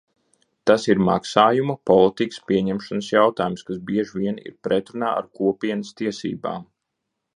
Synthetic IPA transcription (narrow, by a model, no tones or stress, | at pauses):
t̪asiɾma̰ksaːjumɐpɔlˠit̪ikə̥spʲiɛɲɛmʃanəsjawt̪aːjumskasbiɛʒviɛnḭɾpɾɛt̪ɾuna̰ːa̰ɾkuɔpʲiɛnəst̪iɛsḭːba̰ːm